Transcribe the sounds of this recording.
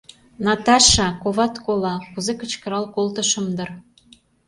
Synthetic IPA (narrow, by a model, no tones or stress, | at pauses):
nɑt̪ɑʃɑkoβɑt̪kolɑkuzekə̆t͡ɕkə̆ɾɑlkolt̪ə̆ʃə̆md̪ɤ̆r